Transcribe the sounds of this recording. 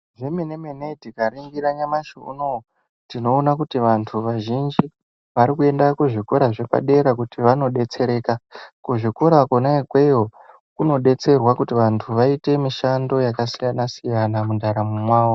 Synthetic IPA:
ʐemenemenetikariŋɡiɾaɲamaʃṵno | tino̞ːnakutiʋantʰuʋaʒind͡ʒi | ʋaɾikue̞ndakuʐikoɾaʐe̞pa̰ɗe̞ɾakutiʋano̞ɗe̞t͡se̞ɾe̞ːkakuʐikoɾakonaekweo | kuno̞ɗe̞t͡se̞rwakutiʋantʰuʋaite̞miʃando̞jakasijanasijanamundʱaɾamumwaːwo

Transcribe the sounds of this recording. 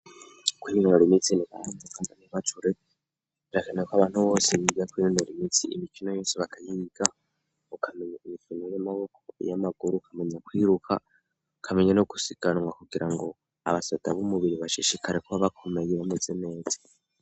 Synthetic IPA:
kwiinnoɾumit͡siniβanekaŋdaniβatʰuɾe | ɾakanekwaβaːn̥huβo̞ːsiβiβakwiɾunoɾumit͡siːmikino̞jo̞ːseβakʰajiɡ̥a | okʰameɲaimifuniɾemaβokʰojamaɡuɾukʰameɲakwiːɾukʰa̰ | kʰameɲanoɡu̥siɡ̥anwakuɡiɾaŋɡo̞ | aβasadaβomuβiɾiβaʃiʃikʰaɾekoβaβakʰomejiβamed͡zeneːt͡si̥

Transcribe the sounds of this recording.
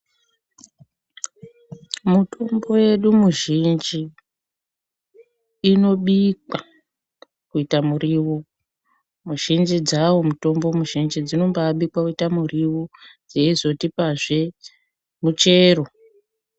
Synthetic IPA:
muto̞mbo̞je̞ɗumuʒind͡ʒi | no̞ɓikwa | kuitamuriːwu | muʒind͡ʒid͡zawomuto̞mbomuʒind͡ʒid͡zino̞mbaaɓikwakuitamuriwud͡zeizo̞tipaʐe | mut͡ʃe̞ːro̞

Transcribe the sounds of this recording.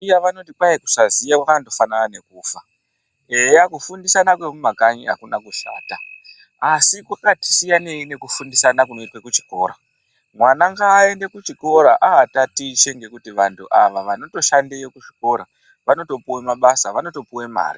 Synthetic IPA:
jaʋano̞tikwajeku̥sazijakwakanoto̞fananane̞kuːfa | ejakufundisanakwe̞mumakaɲia̰kunakuɬa̰ːta | asikwakati̥sijane̞ine̞kufundisanakuno̞itwekut͡ʃi̥ko̞ːɾa | mwanaŋɡaːe̞nde̞kut͡ʃiko̞ɾaʔaɦatatit͡ʃe̞ŋɡe̞kutiʋantʰuʔaʋaʋano̞to̞ʃandejokuʐi̥ko̞ɾa | ʋano̞to̞puwemaɓasaʋano̞to̞puwe̞ma̰ːɾḭ

